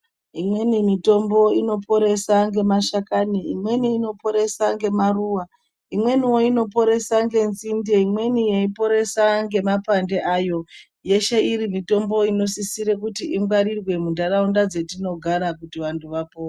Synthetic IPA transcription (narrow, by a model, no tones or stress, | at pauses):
imwe̞nimito̞mbo̞ino̞po̞ɾe̞saŋɡe̞maʃakaniimwe̞niːno̞po̞ɾe̞saŋɡe̞maruwa | imwe̞niwo̞ino̞p̬o̞ɾe̞saŋɡe̞nzindeimwe̞nijeipo̞ɾe̞saŋɡe̞mapande̞ʔajo̞ | je̞ʃe̞iɾimito̞mbo̞ino̞sisiɾekutiʔiŋɡwaɾirwe̞mundaɾaundad͡ze̞tino̞ɡʱaɾakutiʋantʰuʋapoːa